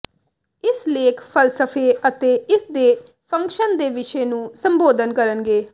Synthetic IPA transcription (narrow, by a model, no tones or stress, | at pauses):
ɪsleːkʰpʰəlsəpʰeːət̪eːɪsd̪eː | pʰə̃ŋkʃənd̪eːʋɪʃɛeːnũːsə̃mboːd̪ənkəɾənɡeː